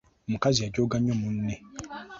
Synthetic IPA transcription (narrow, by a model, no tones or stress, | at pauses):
m̩kaziad͡ʒoɡãɲɔ̃mũn̩nɛ̃